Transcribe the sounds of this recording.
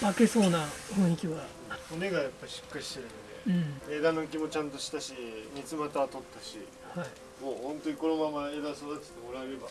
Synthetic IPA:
make̞so̞ːnahõɰ̃ikʲiβa | one̞ɡajapːaiɕɨ̥kːaɾʲiɕt̪eɾɯ̟nod̪e̞̰ɯ̃ed̪ano̞k̬ʲimo̞t͡ɕãnt̪o̞ɕi̥t̪aɕiɲʲit͡sɨmat̪aβat̪o̞t̪ːaɕḭ | hai | mo̞ːhõ̞nt̪oɲ̟iko̞no̞mamaeːd̪asod̪at̪e̥t̪emo̞ɾaeɾe̞ba

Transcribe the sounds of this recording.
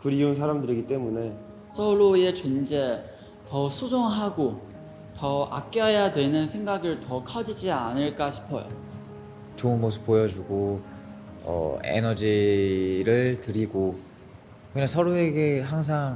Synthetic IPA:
kɯɾiunsʰaɾamdɯɾiɡit͈e̞mune̞ | sʰʌɾoe̞t͡ɕond͡ʑe̞ | tʌsʰud͡ʑoŋɦaɡo | tʌa̰k̚k͈jʌjadwe̞nɯnsʰe̞ŋɡaɡɯɭtʌkʰʌd͡ʑid͡ʑianɯɭk͈aɕʰi̥pʰʌ̰jo̰ | t͡ɕounmosʰɯ̥p͈ːojʌd͡ʑuɡo | ʌ̰ḛnʌd͡ʑi | ɾɯɭtɯɾiɡo | kɯɲaŋsʰʌɾoe̞ɡeɦaŋs̬ʰaŋ

